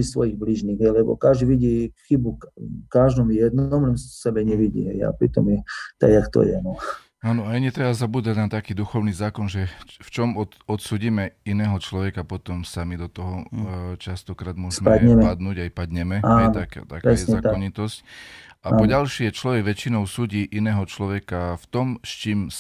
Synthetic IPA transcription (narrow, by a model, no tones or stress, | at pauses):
isʋɔjiɣbliʒniːɣɦɛjlɛbɔ̰kaʒd̪iʋiɟixibukaʒd̪ɔmjjɛd̪nɔmlɛmssɛbɛɲɛʋiɟḭɦɛja̰pɾit̪ɔ̰mjɛt̪a̰ɡjakt̪ɔ̰jɛnɔ | aːnɔajɲit̪ɾɛbazabuːd̪aɟnat̪akiːd̪uxɔʊniːzaːkɔnʒɛft͡ʃɔmɔ | ɔt̪suːɟiːmɛinɛːɦɔt͡ʃlɔʋɛkapɔt̪ɔmsamid̪ɔt̪ɔɦɔt͡ʃast̪ɔkɾaːd̪mʊɔsmɛad̪ɲɛmɛad̪nuːɟajpad̪ɲɛmɛaɛjnt̪akt̪akɾɛɛzɲɛat̪ɔɲit̪ɔsc | apɔɟalʃɪɛt͡ʃlɔʋɛɡʋɛt͡ʃinɔʊsuːɟiːʔinɛːɦɔt͡ʃlɔʋɛkaft̪ɔmst͡ʃiːm